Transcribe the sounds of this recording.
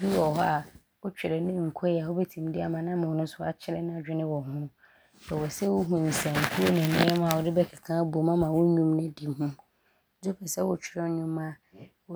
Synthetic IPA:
bi˦wɔ˨ɦɔ˦a˨ | wʊ˦t͡ɕᶣɪ˨ɾɛ˨nɪ̃˦˨ŋ̩˨kʰɔ˦jɛ˨a˨hʊ˦bɛ˦tʰĩ˨m˨dɪ˦a˨mã˨nã˦m̃˨wʊ˨nʊ̃˦sʊ˦a̰˨t͡ɕʰɪ˦ɾɛ˦nɪ̃˦a˨d͡ʑᶣɪ˦nɪ̃˦wɔ˨hʊ̃˦ | bɛ˨wɔ˨sɛ˦wʊ˦ɦũ˨ĩ˨sã˨ŋ̩˨kʰu˦o˦nɪ̃˨nɪ̃˦ɛ˦mã˨wɔ˨dɪ˦bɛ˦kʰa˨kʰã˦bu˨o˨˦mã˦mã˨wʊ˦ɲũ˦mnɪ̃˦di˨mhũ˦ | d͡zʊ˦pʰɛ˨sɛ˦wʊ˨t͡ɕᶣɪ˨ɾɛ˦ɲʊ̃˦mːã˦

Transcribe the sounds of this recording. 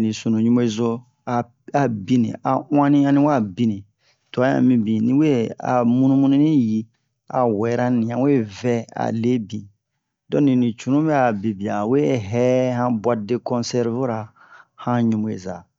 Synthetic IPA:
nĩ˨su˨nũ˨ɲũ˦o˦e˦zo˦ | a˨ | a˨bi˦nḭ̃˨a˨w̃ã˦nĩ˦ã˦nĩ˦wa˦˨bi˦nĩ˨ | tɔ˨a˨˦ã̰˨mĩ˧bĩ˨nĩ˦we˦a̰˨mũ˦nũ˦mũ˦nĩ˦nĩ˦ji˦ | a̰˨wɛ˨˦ɾã˦nĩ˨ã˨˦we˦vɛ˦a̰˨le˦bi˨ | dɔ̃˦nĩ˨nĩ˨t͡ʃu˨ũ˦bɛ˦a˨be˨bi˨a˨we˦ɦɛ˦hã˦bwa˨de˦kɔ̃˦nsɛ˦ɾvo˦ɾa˨ | hã˦ɲũ˨mo˨ḛ˨za̰˨

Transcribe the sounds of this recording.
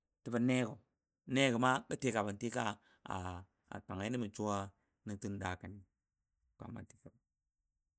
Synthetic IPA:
ti˨ba˨ne˦ɡo˨ | ne˦ɡo˨ma˦ka˦te˨˦ka˨ba˨n˨ti˦ka˦ | a̰˨ | a̰˨ta˨ŋa˨i˦ni˦mi˨t͡ʃu˦wa˦ | ni˦tu˦n˦da˨ka˨ni˨ | pa̰˨ma̰˨ti˨ka˨b

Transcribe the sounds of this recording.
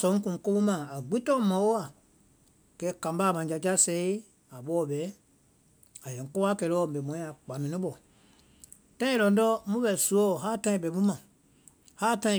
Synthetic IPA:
sɔ̃˨˦ŋ˦kũ˨ŋ˨ko˦bu˦mã˨a˨ɡ͡bi˦tɔ̃˦mã˨˦wo˦a˨ | kɛ˨˦kã˨m˦baː˦˨mã˨d͡ʒa˧˨d͡ʒa˦sɛ˧˦i˦ | a˨ɓɔ˦˨ɓɛ˨˦ | a˨jɛ̃˨ŋ˨ko˦a˦kɛ˨ɾɔ˧˨bɛ˨mɔ̃˨˦ĩ˦a˨k͡pa˨mĩ˨nĩ˦ɓɔ˨ | tã˦ĩ˦lɔ˨n˦dɔ˦mũ˦ɓɛ˨su˨˦ɔ˦˨ɦaː˦˨tã˦ĩ˨bɛ˨ɓu˦mã˨ | haː˦tã˦ĩ˧˨

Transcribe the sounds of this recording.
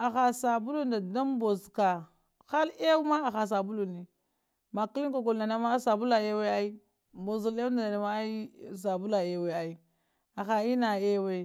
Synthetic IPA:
a˨xa˨sa˨bu˦lu˦nda˨da˦mbo˨zka˨ | xa˦le˦wu˦ma˦a˨xa˨s̬a˨bu˦lu˨ni˨ | ma˨ki˦li˦ŋko˨ɡo˨lna˨na˨ma˦sa˨bu˦la˨e˦we˦a˦i˦ | mbo˨zu˨le˦u˦da˨da˨na˨ma˦i˦s̬a˨bu˦la˨e˨we˨a˨i˦ | a˨xa˨i˦na˨e˦we˦˨

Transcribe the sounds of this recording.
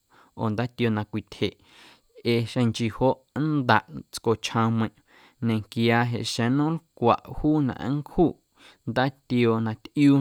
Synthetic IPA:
o̰˨nd̪a˦t̪jo˧nã˧kʷi˧˨t̪ʰhe˨ʔ | e˧ʃẽ˧ŋt͡ʃi˧˨ho˦ʔnd̪a˨ʔt͡sko˨t͡ʃʰhã˧mə̃˧˨ʔ | nẽ˨ŋkjaː˧ɦḛ˨ʔʃẽ˨nũ˦lkʷa˨ʔhuː˦nã̰˧˨ʔŋkhuː˦˨ʔ | nd̪a˦t̪jo˧nã˧t̪ʔjuː˦

